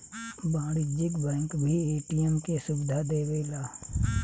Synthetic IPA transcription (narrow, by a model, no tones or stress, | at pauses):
bãːɽɪd͡ʒɪkbɛ̃ːŋkbʱieːʈijəmkesʊbɪd̪ʱad̪eːweːlaː